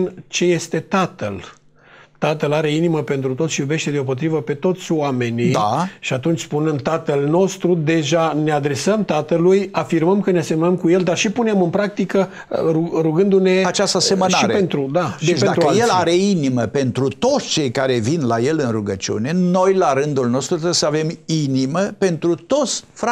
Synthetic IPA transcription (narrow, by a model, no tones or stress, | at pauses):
nt͡ʃe̞je̞st̪e̞t̪at̪əl | t̪at̪əlaɾe̞iniməpe̞nt̪ɾut̪ot̪sʃijube̞ʃt̪e̞d̪eop̬o̞t̪ɾivəpe̞t̪o̞t̪sʲoame̞nid̪a̰ʃiat̪unt͡ʃʲspunɨnd̪t̪at̪əlno̞st̪ɾud̪e̞ʒane̞ad̪ɾe̞səmt̪at̪əlujafirməmkəneasemənəmkuje̞ld̪arʃipunemɨnpɾak̚t̪ikə | uɾuɡɨnd̪une̞at͡ʃast̪əse̞mənaɾeent̪ɾud̪ad̪et͡ʃd̪taɾkəje̞laɾe̞iniməpe̞nt̪ɾut̪o̞t̪sʲt͡ʃe̞jkaɾe̞vinlaje̞lɨnruɡət͡ʃiṵne̞no̞jlaɾɨnd̪ulno̞st̪ɾut̪ɾebesəave̞miniməpe̞nt̪ɾut̪o̞t̪sʲfɾa